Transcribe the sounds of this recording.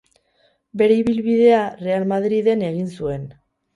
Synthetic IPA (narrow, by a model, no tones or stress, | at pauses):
be̞ɾe̞iβilβið̞e̞are̞almaðɾiðe̞ne̞ɣ̞insue̞n